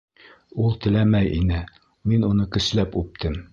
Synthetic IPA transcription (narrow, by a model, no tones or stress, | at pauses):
ulˠt̪ɘ̆læmæjʔḭnɘ | minunɤkɘ̆slæpʉp̚t̪ʰɘm